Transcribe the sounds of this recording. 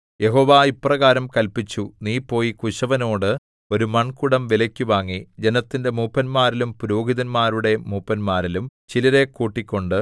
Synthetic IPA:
je̞ɦo̞ːʋaːipːrɐɣaːɾɐmkɐlpit͡ɕːuniːpːo̞ːjikuɕɐʋɐno̞ːɽɨ | o̞ɾumɐɳkuɽɐmʋilɐkʲːuʋaːŋːid͡ʑe̞nɐt̪ːinde̞muːpːɐnmaːɾilumpuɾoːɡiðɐnmaːɾuɽe̞muːpːɐnmaːɾilumt͡ɕilɐɾe̞kuːʈːikʲːo̞ɳɖɨ

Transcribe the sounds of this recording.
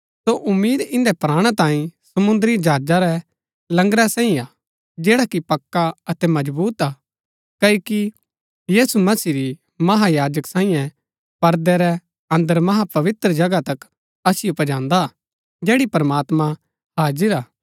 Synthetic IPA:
soʔʊmːiːd̪ɪ̃nd̪ɛpɾaːɽ̃ɛ̃t̪ãːĩsɐmʊ̃nd̪əɾid͡ʒaːd͡ʒaɾɛ | lɐ̃ŋɡɾɛsãːĩa | d͡ʒɛːɽakipɐkːaɐt̪ɛmɐd͡ʒbuːt̪aː | kɐoki | jiːsumɐsiːɾi | mɐɦajaːd͡ʒəksãːĩjɛ̃ | pɐɾd̪ɛɾɛ | ɐ̃nd̪əɾmɐɦapɐʋɪt̪ɾəd͡ʒɐɡat̪ɐk | ɐsɪjopɐd͡ʒãːnd̪a | d͡ʒɛːɽipɐɾmaːt̪mã | haːd͡ʒəɾaː

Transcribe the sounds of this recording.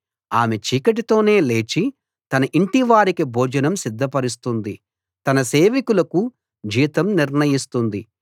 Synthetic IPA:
aːme̞t͡ʃiːkɐʈ̬it̪o̞ːne̞ːle̞ːt͡ʃi | t̪ɐnɐʔiɳʈiʋaːɾikibʱɔːd͡ʒɐnɐmsid̪ʱːɐpɐɾist̪und̪i | t̪ɐnɐse̞ːʋikulɐku | d͡ʒiːt̪ɐmniɾɳɐjist̪und̪i

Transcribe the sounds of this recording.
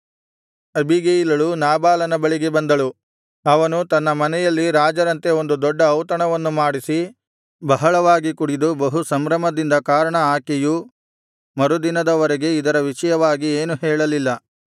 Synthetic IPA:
ɐbʱiɡejilɐɭunaːbaːlɐnɐbɐɭiɡe̞bɐnd̪ɐɭu | ɐʋɐnut̪ɐnːɐmɐnɛjɐlːiɾaːd͡ʒɐɾɐnt̪e̞o̞nd̪ud̪ɔɖːɐːwt̪ɐɳɐʋɐnːumaːɽisi | bɐɦɐɭɐʋaːɡikuɽid̪ubɐɦusɐmɾɐmɐd̪ind̪ɐkaːɾɐɳɐaːkɛju | mɐɾud̪inɐd̪ɐʋɐɾɛɡe̞id̪ɐɾɐʋiʂɐjɐʋaːɡieːnuɦɛːɭɐlilːɐ

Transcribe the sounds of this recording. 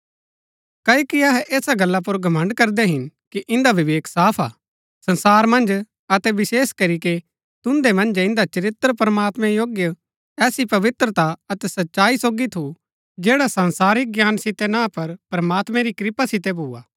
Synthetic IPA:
kɐokiɐɦɛʔeːsaɡɐlːap̬ʊɾɡʱɐmə̃ɳɖkɐɾd̪ɛɦɪnkiʔɪ̃nd̪aʋɪʋeːksaːpʰa̰ː | sɐ̃nsaːɾmɐ̃nd͡ʒ | ɐt̪ɛʋɪseːskɐɾike | t̪ʊ̃nd̪emɐ̃nd͡ʒɪ̃nd̪at͡ʃɐɾɪt̪ːəɾpɾɐmaːt̪mɛ̃joːɡjə | ɛːsipɐʋɪt̪ɾət̪aɐt̪ɛsɐtːʃaːisoːɡit̪ʰu | d͡ʒeːɽasɐ̃nsaːɾɪk̚ɡjaːnsɪt̪ɛnãpɐɾpɾɐmaːt̪mɛ̃ɾikɾɪpasɪt̪̬ɛbʱuːaː

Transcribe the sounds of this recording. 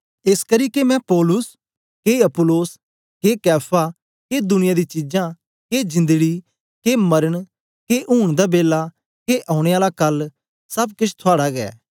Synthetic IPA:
eskɐɾiːkemɛ̃pɔːlʊs | keɐpʊloːs | kekɛːpʰa | ked̪ʊnɪjad̪it͡ʃɪd͡ʒã | ked͡ʒɪ̃nd̪əɡi | kemɐɾəɽ̃ | keʔuːɽ̃d̪abeːla | keʔãːʊɽ̃eaːlakɐl | sɐbkɪt͡ʃʰt̪ʰoaːɽaɡɛ̰ː

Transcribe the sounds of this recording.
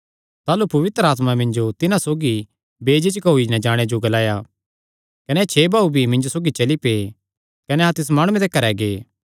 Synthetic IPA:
t̪aːlupɐʋɪt̪ɾəaːt̪mamɪ̃ɲd͡ʒot̪ɪnãsoːɡi | beːd͡ʒet͡ʃkɐuinɐd͡ʒaːɽ̃ed͡ʒoɡɐlaːja | kɐnɛt͡ʃʰeːbʱaːubʱimɪ̃ɲd͡ʒosoːɡit͡ʃɐlipeː | kɐnɛãt̪ɪs̬maːɽ̃ũẽt̪ekɐɾɛɡeː

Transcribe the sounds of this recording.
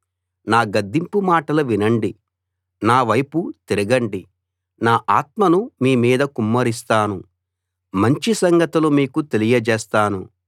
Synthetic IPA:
naːɡɐd̪ːimpumaːʈɐluʋinɐɳɖi | naːʋɐjput̪eɾiɡɐɳɖi | naːʔaːt̪̚mɐnumiːmiːd̪ɐkumːɐɾist̪aːnu | mɐɲt͡ʃisɐŋɡɐt̪ulumiːkut̪e̞lijɐd͡ʒɛːst̪aːnu

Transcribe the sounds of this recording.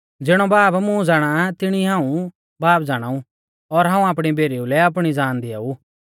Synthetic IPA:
d͡zɪɽ̃ɔbaːbmũd͡zaːɽ̃at̪ɪɽ̃iɦãːũ | baːpd͡zaːɽ̃aːũ | ɔɾɦãːũaːp̬ɽ̃ibʱeːɾiulɛap̬ɽ̃id͡zaːnd̪ɪa̰u

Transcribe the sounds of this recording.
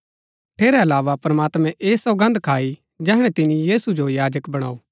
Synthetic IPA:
ʈʰeːɾɛɐlaːʋapɾɐmaːt̪mɛ̃ʔeːsɔɡɐ̃nd̪kʰaːi | d͡ʒɛːɦɽ̃ɛt̪ɪnĩjiːsud͡ʒojaːd͡ʒəkbɐɽ̃aːoː

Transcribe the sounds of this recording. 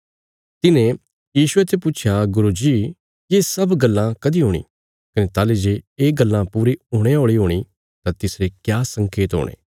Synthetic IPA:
t̪ɪnẽ | jiːʃʊet̪ʰepʊt͡ʃʰjaɡʊɾud͡ʒiː | keːsɐbɡɐlːãkɐd̪iɦoːɽ̃ḭː | kɐnet̪aːled͡ʒeːeːɡəlːãpuːɾiɦoːɽ̃eɦoːɭiɦoːɽ̃i | t̪ãt̪ɪsɾekjaːsə̃ŋkeːt̪ɦo̰ːɽ̃ʔḛ̃ː

